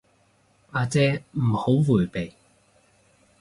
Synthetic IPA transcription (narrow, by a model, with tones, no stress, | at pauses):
aː˧t͡sɛː˧m̩˨˩ho˨˥wwuː˨˩jpe˨j